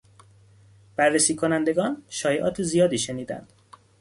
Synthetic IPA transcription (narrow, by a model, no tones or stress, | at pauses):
b̥ærːesiːkʰonænd̪e̞ɡɒːnʃɒːjeʔɒ̰ːt̪ʰezijɒːd̪iːʃe̞niːd̪æ̰nd̪̥